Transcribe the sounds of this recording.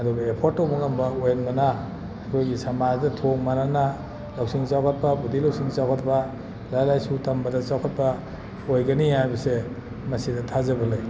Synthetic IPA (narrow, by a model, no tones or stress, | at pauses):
ɐduɡaepʰoɾtːowbuŋambɐojenɡana | akʰojɡisamazdɐtʰoŋmanana | lawsiŋt͡ʃawkʰat̚pabudilawsiŋt͡ʃawkʰat̚pa | lajlajsutambɐdɐt͡ʃawkʰat̚pɐ | ojɡɐniajbɐse | mɐsidɐtʰazabɐlej